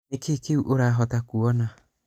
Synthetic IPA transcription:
ekekeuʔoɾaːɦɔtakuɔna

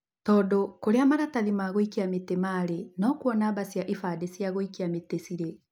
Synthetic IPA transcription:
tɔːdokoɾeamaɾataðimaɣoikeametemaɾenɔkwɔnabasjaʔifadesiaɣoikeametesiɾe

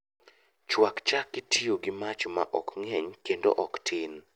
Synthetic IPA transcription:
t͡ʃwakt͡ʃakːɪtʰioɡɪmat͡ʃma̰ʔɔkŋɛɲkendo̰ʔɔktʰɪn

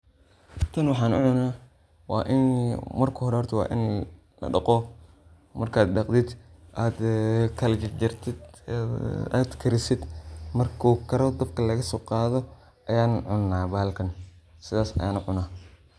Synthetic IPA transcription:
t̪ʰɐnwɑħɑːnʊ̰ʕʊnaː | wɑ̰ːʔɪnmɐrkʰʊhɔɾɛhɔrt̪ʰɐwɑ̰ːʔɪ̰n | lɐ̰ɖɑqɔ | mɐrkʰaːd̪̚ɗɑqd̪ɪd̪ʔaːd̪kʰɐld͡ʒɪd͡ʒɐrt̪ʰɪd̪ | a̰ːd̪kʰɐɾɪsɪd̪mɐrkʰuːkʰɐɾɔd̪ɐb̚kʰɐlɐɣɐsɔqɑːðɔ | ʔɐjaːnʕʊnːaːbaːlkʰɐn | sɪðaːsɐ̰jaːnʊʕʊnaː

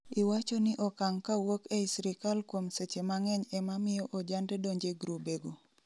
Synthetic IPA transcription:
ɪwat͡ʃɔnɪʔɔkaŋkawokɛisɾikalkwomset͡ʃemaŋɛɲɛmamɪjɔʔɔd͡ʒandɛdoɲd͡ʒeɡɾobeɡo

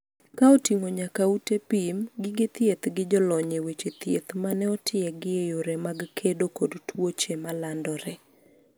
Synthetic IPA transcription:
kaotiŋoɲakautepimɡɪɡɪt̪jet̪ɡɪd͡ʒɔlɔɲewet͡ʃet̪jet̪manɛɔtʰɪɛɡɪejoɾɛmaɡkʰedokodtʰwot͡ʃemalandɔɾɛ

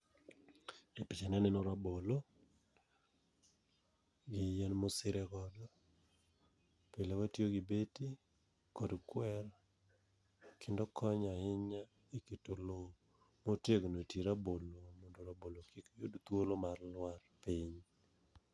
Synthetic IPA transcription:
epɪt͡ʃenanɪnoɾabolo | ɡɪjenmosɪɾɛkɔdɔ | pelewatjoɡibeti | kɔdkwɛɾ | kʰɪndokʰɔɲaɪɲa | ekitolo | moteɡnotiɾabolomondoɾabolokikjodt̪wolomarlwarpiɲ

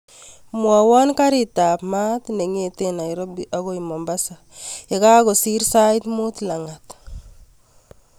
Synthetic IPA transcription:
mwawankaɾitapmat̪neŋetenaiɾɔbiʔaɣoimɔmbasa | ekaɣosiɾsajt̪mut̪laŋat̪

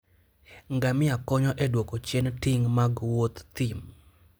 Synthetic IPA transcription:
ŋɡamɪakɔɲɔʔɛdwokot͡ʃjentɪŋmaɡwot̪ːim

